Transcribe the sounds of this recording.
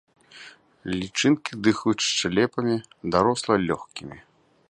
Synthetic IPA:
lʲit͡ʂɨnkʲid̪ɨxut͡ʃt͡ʂalʲɛpɐmʲi | d̪aɾɔslˠɐlʲɔxkʲimʲi

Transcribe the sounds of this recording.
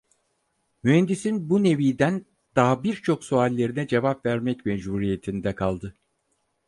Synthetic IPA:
myhɛnd̪isinbune̞viːd̪æn | d̪̥aɦabiɾt͡ʃʰo̞ksualʲːe̞ɾinɛd͡ʒe̞vapvæɾmɛcmed͡ʒbuɾije̞t̪ʰind̪ɛkʰalˠd̪ɯ

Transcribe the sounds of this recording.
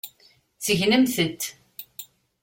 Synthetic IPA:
t͡sːəʝnəmθət̪ː

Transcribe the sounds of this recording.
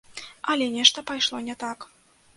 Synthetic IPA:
ɐlʲɛnʲɛʂt̪ɐpajʂlˠɔnʲɛt̪ak

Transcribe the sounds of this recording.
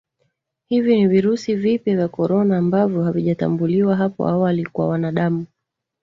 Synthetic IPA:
hiviniviɾusivipjavjakɔɾɔnaːmbavjɔɦaviʄata̰mbuliwaɦapɔ̰awalikwa̰wanaɗamu

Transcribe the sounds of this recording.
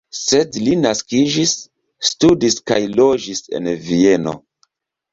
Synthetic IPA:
sedlinaskid͡ʒisː | tudiska̰jlo̞d͡ʒise̞̰nvie̞no̰

